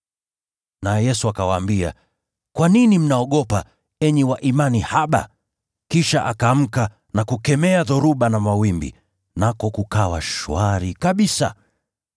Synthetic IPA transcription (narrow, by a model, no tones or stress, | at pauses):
naɛjɛsuakawaːmbia̰ | kwaninim̩naɔɠɔpa | ɛɲɛwaʔimanihaɓa̰ | kiʃaʔakam̩ka | nakukɛmɛaðɔɾuɓanamawimbḭ | nakɔkukawaʃṵaɾikaɓisa̰